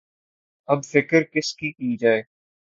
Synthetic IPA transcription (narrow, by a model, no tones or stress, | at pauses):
ɐbfɪkəɾkɪskikiːd͡ʒaːeː